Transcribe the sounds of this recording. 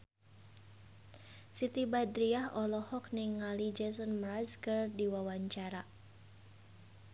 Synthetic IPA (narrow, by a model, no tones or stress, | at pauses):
sit̪ibadɾiahɔlɔhɔk̚nɪŋːalid͡ʒɛsɔnmraskərdiwawaɲt͡ʃaɾa